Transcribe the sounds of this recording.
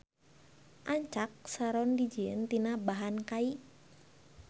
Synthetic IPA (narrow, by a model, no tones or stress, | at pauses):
ʔaɲt͡ʃak̚saɾɔndid͡ʒiənt̪inabaɦankai